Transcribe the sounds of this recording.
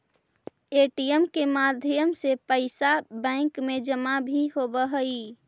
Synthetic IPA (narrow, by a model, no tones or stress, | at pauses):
eʈijemkemad̪ʱjəmsepəɪsabɛ̃ɪŋkmed͡ʒəmabʱiɦobəɦəi